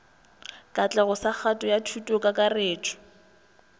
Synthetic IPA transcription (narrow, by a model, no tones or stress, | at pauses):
kʼat͡ɬʼɛɣʊsak͡xʰatʼɔjatʰutʼokʼakʼareːt͡ʃʰɔ̥